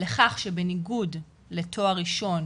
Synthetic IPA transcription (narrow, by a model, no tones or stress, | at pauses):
le̞χaχʃebeniɡud | le̞tʰo̞aʁiʃo̞n